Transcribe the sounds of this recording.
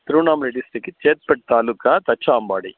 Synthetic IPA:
t̪ɾuːnaːmɾeɖisʈikit͡ʃeːt̪̚pɛʈt̪aːlukaːt̪ɐt͡ʃːaːmbaːɽi

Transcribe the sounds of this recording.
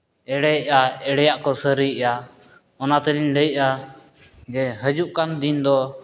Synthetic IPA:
ɛɽɛʔaɛɽɛjaʔkɔsəɾəjʔa | ɔnat̪əliɲləjʔa | d͡ʒɛɦəd͡ʒuʔkand̪ind̪ɔ

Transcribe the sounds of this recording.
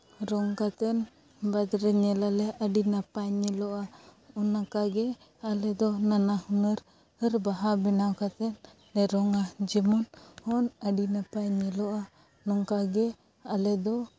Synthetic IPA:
ɾɔŋkat̪ɛn | bad̪ɾɛɲɛlalɛʔəɖinapaɲɛlɔʔaunːakaɡɛ | alɛd̪ɔnanahunəɾ | əɾbaɦabɛnawkat̪ɛnː | ɛɾɔŋad͡ʒɛmɔnhɔnəɖinapaɲɛlɔʔa | nɔŋkaɡɛ | alɛd̪ɔ

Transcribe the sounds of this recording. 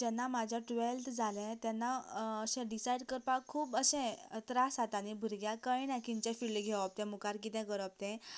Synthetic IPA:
d͡ʑɛ̃nːamad͡ʑʱjaʈʋelʈd͡zʱalɛ̃t̪jɛnːaəɕɛ̃ɖisajɽkəɾpakʰːuːpəɕɛ̃t̪ɾasat̪anibʱuɾɡjakəinãkint͡ɕɛ̃fiɭɖɡʱɛʋap̚t̪ɛ̃mukaɾk̬it̪ɛ̃ɡəɾəp̚t̪ɛ̃

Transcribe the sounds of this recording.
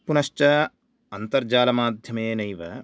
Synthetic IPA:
punɐʃt͡ʃɐ | ɐnt̪ɐɾd͡ʒaːlɐmaːd̪ʱjɐmeːnɐjʋɐ

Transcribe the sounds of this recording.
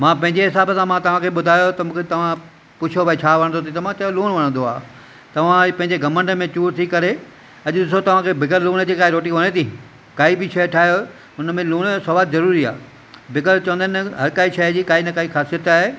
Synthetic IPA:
mãːpɐ̃ɦɪ̃ɲd͡ʑeɦɪsaːbəsãmãt̪ɐʋ̤ãkʰeɓʊd̪ʱaːjot̪ɐmũːkʰet̪ɐʋ̤ã | pʊt͡ɕʰobaːit͡ɕʰaːʋɐɽ̃nd̪ot̪̬ʰit̪ɐʋ̤ãt͡ɕɐjoluːɽ̃ʋɐɽ̃ə̃nd̪oaː | t̪ɐʋ̤ãpɐ̃ɦɪ̃ɲd͡ʑeɡɐmə̃ɳɖəmẽt͡ɕuːɾt̪ʰikɐɾe | ɐʄʊɗɪs̬ot̪ɐʋ̤ãkʰebɪɡəɾluːɽ̃əd͡ʑikaːɦiɾoːʈiʋɐñet̪ʰĩ | kaːibɪʃɐʈʰaːjo | ʊnmẽluːɽ̃sɐʋaːd̪zɐɾuːɾia̰ː | bɪkəlt͡ɕɐʋə̃nd̪ənɦɐɾkaːiʃɐd͡ʑiːkaːinɐkaːixaːsiət̪aːɦe

